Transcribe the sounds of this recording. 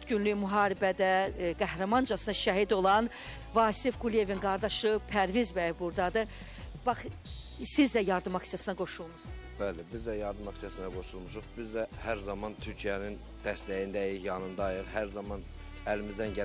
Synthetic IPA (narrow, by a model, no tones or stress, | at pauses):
t̪ɟynlymuɦɑːɾibæd̪æɡæhɾɑmɑnd͡ʒɑsɯnɑʃæɦid̪o̞lˠɑn | vɑːsifɡulije̞vinɡɑɾd̪ɑʃɯpʰæɾvizbæjbuɾd̪ɑd̪ɯ | b̥ɑχ | sizd̪æjɑɾd̪ɯmɑksijɑsɯnɑɡo̞ʃulˠmuz | b̥ælebizd̪æjɑɾd̪ɯmɑksijɑsɯnɑɡo̞ʃulˠmuʃuχbizd̪æhæɾzɑmɑnt̪ʰyɾcʰijænin | d̪̥æstlæjind̪æjijɑnɯnd̪ɑjɯlhæɾzɑmɑn | ælimizd̪ænɟæ